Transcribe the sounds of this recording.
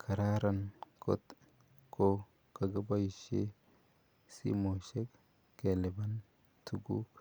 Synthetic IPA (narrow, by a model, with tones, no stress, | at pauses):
kʰa˨ɾa˦ɾa˦˨nkʰo̰˦t̪ | kʰo˦ | ka˨ɡa˦ba˦i˨ʃḛ˦ | sḭ˦mo˨ʃe˦k | ke˨le˨ba˦n | tʰu˦ɡu˦